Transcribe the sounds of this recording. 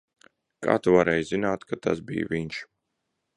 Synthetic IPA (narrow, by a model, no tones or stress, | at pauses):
ka̰ːt̪uvaɾɛːjzinaːt̪kat̪a̰sbḭj̰viɲʃ